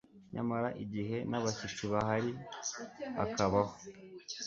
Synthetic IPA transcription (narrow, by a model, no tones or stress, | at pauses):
ɲa̰maɾaʔiɟiɦe̞naβaʃit͡ʃuβaɦaɾi | a̰kaβaho